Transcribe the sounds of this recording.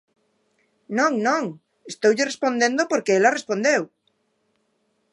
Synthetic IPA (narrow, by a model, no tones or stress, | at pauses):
nõŋnõŋ | est̪owʎɪrespond̪end̪opoɾkeelarespõnd̪ew